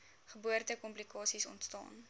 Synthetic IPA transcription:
χəbuərtəkɔmplikɑːsisɔ̰ntstɑ̰ːn

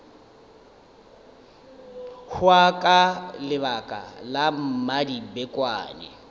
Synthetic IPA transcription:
hʊakʼalɪβakʼa̰lam̩madibɛkʼwa̰ːnɛ̰

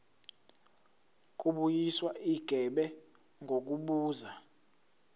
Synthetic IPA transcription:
k̬ʼuɓujiswaiɡ̥ʱɛɓɛ | ŋɡʱok̬uɓuːza

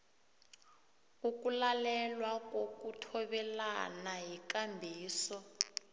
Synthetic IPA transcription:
ukulalɛlwak̬ʼokutʰɔɓɛlanaɦikambʱiːsɔ

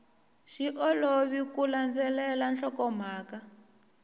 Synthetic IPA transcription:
ʃiʔɔloβikuland͡zɛlɛlanɬɔkɔm̤aːka

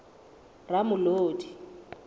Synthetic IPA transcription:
ramʊloːdi

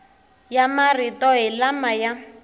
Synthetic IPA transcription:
jamaritɔɦɪlamaja

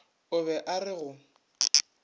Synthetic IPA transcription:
ʊβɛʔarɪɣʊ

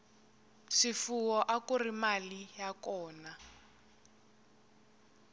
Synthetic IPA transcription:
ʃifuwɔʔakurimalijakɔːna

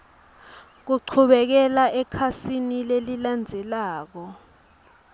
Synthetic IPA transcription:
k̬uǀʰuɓɛk̬ɛlaʔɛkʰasinileliland͡zʱɛlaːk̬ɔ

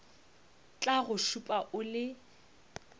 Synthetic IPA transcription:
t͡ɬʼaɣʊʃupʼaʔʊlɪ

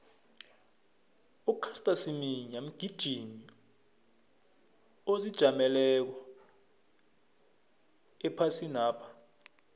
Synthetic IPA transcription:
ukʰastʼasimiɲam̩ɡ̥ʱid̥ʒ̥ʱini | ozid̥ʒ̥ʱamɛlɛk̬wa | ɛpʰasinaːpʰḁ

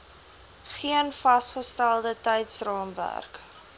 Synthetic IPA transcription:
χiənfɐstχəstælˠdətɛjtsrɑːmvæ̰rk

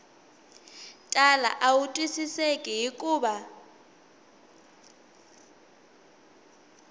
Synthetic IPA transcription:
tʼala̰ʔautʼwisisekʼɛɦikʼuːɓa

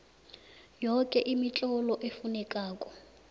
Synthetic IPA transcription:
jɔkʼɛʔimit͡ɬʼɔlɔʔefunɛkʼaːkʼɔ̥

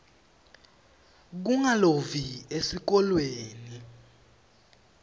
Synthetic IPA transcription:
k̬uŋaloviesik̬ɔlweːni

